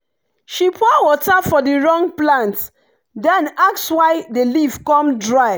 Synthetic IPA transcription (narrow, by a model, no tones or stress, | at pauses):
ʃipʰwɔwɔtafɔdiɹɔ̃ŋplãnt | dɛ̃nak̚swaɪdelivkɔ̃mdɹaɪ